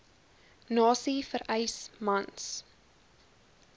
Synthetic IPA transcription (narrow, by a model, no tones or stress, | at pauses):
nɑːsifəɾɛjsmɐns